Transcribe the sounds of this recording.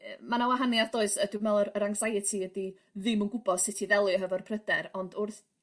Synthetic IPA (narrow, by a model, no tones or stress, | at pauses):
əmanawaɦaniadoːɨsədumɛlˠəəɾaŋzajɛtʰiədi | ðɪmunɡʊbɔd̥sɪtʰiðɛlˠɨɔɦəvɔrpʰrədɛɾɔndʊrθ